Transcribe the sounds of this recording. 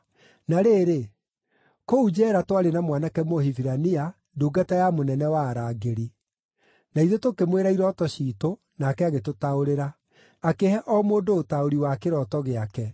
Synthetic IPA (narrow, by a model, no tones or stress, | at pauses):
naɾeːɾe | koud͡ʒɛɾatwaɾenamwanakɛmohiviɾania | duːɡatajamonɛnɛwaːɾaːɡeɾi | naiðotokemweɾaiɾɔtɔɕiːto | nakɛaɣetotaoɾeɾa | akehɛʔɔmoːdoːtaoɾiwakeɾɔtɔɣeakɛ